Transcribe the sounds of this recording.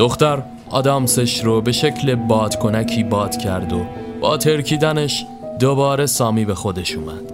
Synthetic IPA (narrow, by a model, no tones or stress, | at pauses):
d̪̥oxt̪æɾ | ɒːd̪ɒːmseʃɾoːbe̞ʃe̞cʰle̞bɒːd̪̥kʰo̞næcʰiːbɒːd̪̥cʰæɾd̪o̞ | b̥ɒ̰ːt̪ʰe̞ɾcʰiːd̪æneʃ | d̪obɒːɾe̞sɒːmiːbe̞xod̪e̞ʃuːmæd̪̥